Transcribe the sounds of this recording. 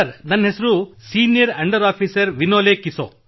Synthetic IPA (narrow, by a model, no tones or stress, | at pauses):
ɐɾnɐnːɐɦesɐɾusiːnijɐɾɐɳɖɐɾaːpʰiːsɐɾʋinoːleːkiso̰ː